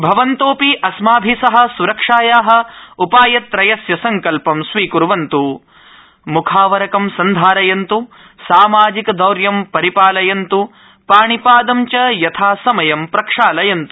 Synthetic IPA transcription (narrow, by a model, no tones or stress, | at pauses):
bʱɐʋɐnt̪oːpiʔɐsmaːbʱisɐɦɐ̆suɾɐkʂaːjaːɦɐ̆upaːjɐt̪ɾɐjɐsjɐsɐŋkɐlpɐmsʋiːkuɾʋɐnt̪u | mukʰaːʋɐɾɐkɐmsɐnd̪ʱaːɾɐjɐnt̪u | saːmaːd͡ʒikɐd̪ɐwɾjɐmpɐɾipaːlɐjɐnt̪u | paːɳipaːd̪ɐmt͡ʃɐjɐt̪ʰaːsɐmɐjɐmpɾɐkʂaːlɐjɐnt̪u